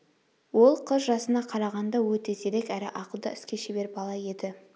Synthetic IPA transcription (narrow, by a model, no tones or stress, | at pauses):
wo̞lˠqʰəzʒɑsənɑqʰɑɾɑʁɑnd̪ɑwɵt̪e̞se̞ɾe̞kæɾɪʔɑqəlˠd̪ɑ̰ɪskʲe̞ʃebe̞ɾbɑlˠɑje̞d̪ɪ